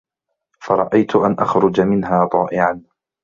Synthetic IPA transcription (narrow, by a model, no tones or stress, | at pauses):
fɑɾˤɑʔajt̪ʊʔanʔaxɾʊd͡ʒamɪnɦaːt̪ˤɑːʔɪʕan